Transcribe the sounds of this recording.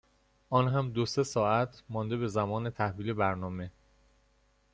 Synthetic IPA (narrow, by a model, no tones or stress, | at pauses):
ʔɒːnɦæmd̪ose̞sɒːæt̪ʰmɒːnd̪e̞βbe̞zæmɒːne̞t̪ʰæhviːle̞bæɾnɒːme̞